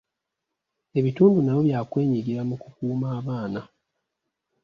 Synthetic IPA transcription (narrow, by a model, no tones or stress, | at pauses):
e̞βituːndunajoβjaːkwe̞ːɲiɡiɾamukukuːmaːβaːna